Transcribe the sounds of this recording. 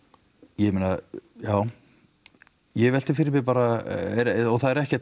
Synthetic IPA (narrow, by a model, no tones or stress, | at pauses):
jɛmiːnajaːw | jɛvɛl̥t̪ɪfɪɾɪpɪpaːɾaɛɾɔθaðɛɾɛhcɛ